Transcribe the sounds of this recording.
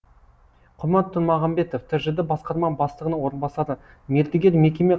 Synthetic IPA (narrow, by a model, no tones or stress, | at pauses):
qʰʊɾmɑt̪ʰːʊnmɑʁɑmbe̞t̪oft̪ʰɪɾʒɪd̪ɪbɑsqɑɾmɑbɑst̪əʁənəwo̞ɾənbɑsɑd̪ə | me̞ɾd̪ɪɡʲeɾme̞kʲe̞me̞